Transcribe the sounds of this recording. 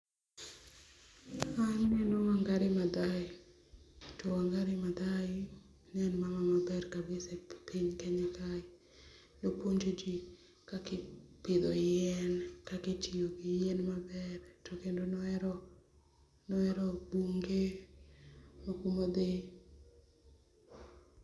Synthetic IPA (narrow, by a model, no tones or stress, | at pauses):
annɛnɔwaŋɡaɾɪmad̪aɪ | toaŋɡaɾɪmad̪aɪ | nɛnmamamabɛrkabɪsɛpiɲkɛɲɛkaɪ | dopoɲd͡ʒod͡ʒi | kakɪpɪd̪ɔɛnkaketioɡijɛnmabɛrtokendonɔɛɾɔ | nɔɛɾɔbuŋɡe | makumod̪e